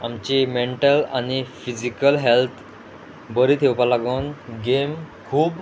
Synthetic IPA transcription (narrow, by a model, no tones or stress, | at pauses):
amt͡ɕimeɳʈəlanifid͡ʑikəlɦelt̪ʰ | bəɾiːt̪ʰewpalaɡuːnɡemkʰuːp